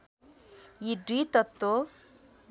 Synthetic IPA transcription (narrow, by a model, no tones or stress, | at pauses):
jid̪it̪ʌt̪ːo